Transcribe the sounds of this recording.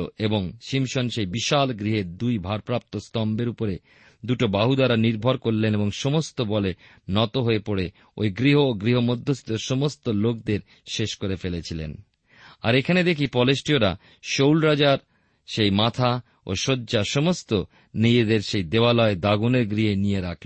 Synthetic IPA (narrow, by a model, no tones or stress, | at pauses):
oeboŋʃimʃonʃejbiʃalɡɾiɦeɾd̪ujbʱaɾpɾap̚t̪ost̪ɔmbeɾupoɾe | d̪uʈobaɦud̪aɾaniɾbʱoɾkoɾleneboŋʃɔmost̪obɔle | nɔt̪oɦoepoɽe | o̰jɡɾiɦoːɡɾiɦomod̪ʱːosi̥t̪oʃɔmost̪olok̚d̪eɾ | ʃeʃkoɾefelet͡ɕʰilḛn | a̰ɾekʰaned̪ekʰipɔlesʈioɾa̰ | ʃowlɾad͡ʑaɾ | ʃejmat̪ʰa | o̰ʃodːʑaʃɔmost̪o | nid͡ʑed̪eɾʃejd̪eoalɔed̪aɡuneɾɡɾiɦenijeɾakʰlen